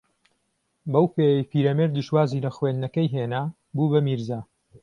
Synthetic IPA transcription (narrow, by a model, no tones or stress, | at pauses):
bɐwpeːjejpiːɾɐmeɾd̪ɨʃwaːziːlɐxwend̪nɐkɐjɦenaː | buːbɐmiɾzaː